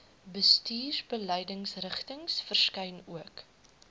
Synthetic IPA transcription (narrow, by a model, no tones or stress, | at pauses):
bəstiːrbəlɛjdəŋsrəχtəŋsfərskɛjnuək